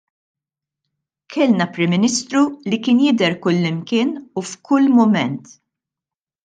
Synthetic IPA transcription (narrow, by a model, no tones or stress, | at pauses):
kʰɛlnɐpɾɪmːɪnɪst̪ɾulikɪːnjɪd̪ɛɾkʊlːɪmkɪːnufkʰʊlːmʊmɛnt̪